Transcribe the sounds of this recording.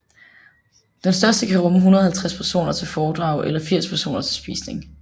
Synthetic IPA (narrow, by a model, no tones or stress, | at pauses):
d̥ensd̥ɶɐsd̥əkʰæʁɔ̽məɦunɐð̞̩ˠhælt͡sʰʁaspʰæɐso̝̰ːnɐt͡sʰe̝lfɒːd̥ʁɑ̈ʊʔelɐfiɐ̰spʰæɐso̝̰ːnɐt͡sʰe̝lsb̥ḭːsne̝ŋ